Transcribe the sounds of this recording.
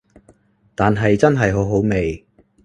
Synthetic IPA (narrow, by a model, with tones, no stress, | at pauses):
t̪aː˨nɦɐ˨jt͡sɐ˥nɦɐ˨jɦo˨˥wɦo˨˥wme˨˩j